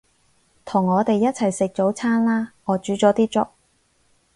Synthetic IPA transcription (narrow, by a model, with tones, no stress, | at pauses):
t̪ʰʊ˨˩ŋːɔː˨˧t̪e˨jːɐ˥t̚t͡sʰɐ˨˩jsɪ˨k̚t͡ʃo˨˥wt͡sʰaː˥nlaː˥ŋɔː˨˧t͡ʃyː˨˥t͡sɔː˨˥t̪iː˥t͡ʃʊ̰˥k̚